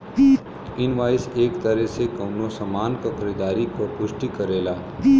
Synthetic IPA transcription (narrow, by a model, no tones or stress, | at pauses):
ɪnʋaːɪseːkt̪əɾɛsekɐːnosɐmaːnkokʰɐɾiːd̪aːɾikoɾpʊʃʈikɐɾeːlaː